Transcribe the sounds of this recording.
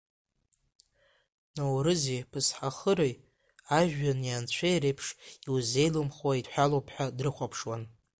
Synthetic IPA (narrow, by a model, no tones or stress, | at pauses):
nowɾɨzepʰɨsħaχəɾej | aʒᶣːanjant͡ɕʷʰejɾejpʰʂiwze̞jlumχwaidħʷalowpʰħadrɨχʷapʰʂwan